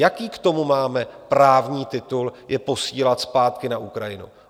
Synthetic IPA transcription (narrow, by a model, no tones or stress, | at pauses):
jakiːkt̪o̞mumaːmɛpɾaːvɲiːt̪ɪt̪uljɛpo̞siːlat̪spaːt̪kɪnaʔukɾajɪnṵ